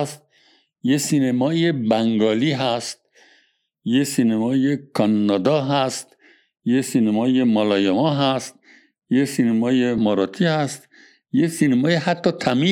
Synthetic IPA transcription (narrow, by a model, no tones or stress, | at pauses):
st̪̚ | jesinemɒːjebæŋɡɒːliːɦæst̪̚ | jesinemɒːjekʰɒnːɒd̪ɒːɦæst̪ | jesinemɒːjemɒlɒːjemɒːɦæst̪̚ | jesinemɒːjemɒɾɒːt̪ʰihæst̪ | jesinemɒːjehat̪ʰːɒːt̪ʰæmiː